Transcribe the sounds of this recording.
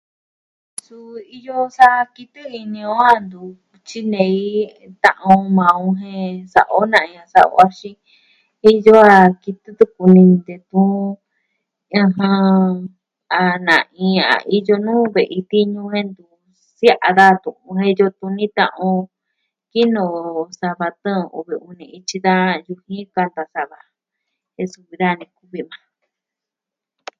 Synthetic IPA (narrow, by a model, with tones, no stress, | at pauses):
su˧i˧jo˦sa˦ki˧t̪ɨ˦i˧nĩ˧õ˦a˧nd̪u˧ | t͡ʃi˦nẽ˨˧i˦ | t̪ã̰˧ʔõ˧mã˨˧õ˧ɦẽ˦˧sa̰˨ʔo˦nã˧˨ĩ˧ã˧sa̰˧ʔo̰˧a˧ʃĩ˦ | i˦jo˦a˧ki˧t̪ɨ˦t̪u˦ku˧nĩ˧d̪e˧t̪ũ˦ | ã˧ɦã˧ | a˨nã˨ʔĩ˧a̰˨˧ʔi˧jo˧nũː˦βe˨ʔi˧t̪i˦ɲũ˧hẽ˦nd̪u˧ | sja˦ʔa˧ða˦t̪ũ˧˨ʔũ˧ɦẽ˦˧jo˧t̪ũ˧nĩ˦t̪ã̰˧ʔõ˧ | ki˦nõ˧˨˧sa˧βa˧t̪ə̃˦˨˧ṵ˧βi˧ũ˧nĩ˧i˧t͡ʃi˧ða˦ju˧hĩ˦ka˧nd̪a˧sa˧βa˧ | e˧su˧βi˧ða˦˨˧nĩ˧ku˧βi˧mã˨˧